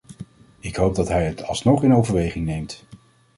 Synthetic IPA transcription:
ɪkɦowb̚dɑtɦɛjətɑ̰lˠsnɔχɪnowvəɹʋejχɪŋnejmt

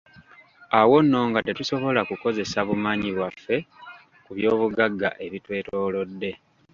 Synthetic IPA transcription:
awo̞nːo̞ːŋɡate̞tuso̞βo̞lakuko̞ze̞saβumaːɲiβwafːe̞ | kuβjo̞ːβuɡaɡːa̰ʔe̞βitwe̞ːto̞ːlo̞dːe̞

